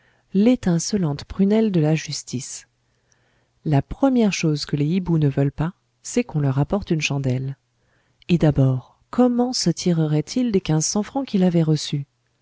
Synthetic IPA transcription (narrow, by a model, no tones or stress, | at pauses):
let̪ɛ̃sɔlɑ̃t̪pχynɛld̪əlaʒyst̪is | lapχəmjɛʁʃozkəleibunəvœlpa | sɛkɔ̃lœʁapɔʁt̪ynʃɑ̃d̪ɛl | ed̪abɔːʁ | kʰɔmɑ̃sət̪ʰiʁəʁɛt̪ʰild̪ekʲɛ̃zsɑ̃fχɑ̃kʲilavɛʁəsy